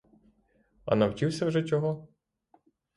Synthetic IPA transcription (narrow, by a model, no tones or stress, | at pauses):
ɐ̰nɐwt͡ʃiwsʲɐwʒɛt͡ʃʲɔɦɔ